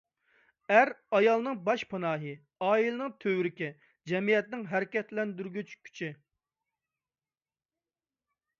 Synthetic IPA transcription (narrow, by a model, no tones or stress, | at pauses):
æɾɑjɑlˠnɨŋbɑʃpʰɑnɑːɦɨ | ɑːilɪnɨŋt̪ʰøwɾɪkʲɛ | d͡ʒɛmijɛt̪nɪŋɦæɾɪkʲɛt̪lɛnd̪yɾɡʲyt͡ʃkʲʰy̥t͡ʃʰɪ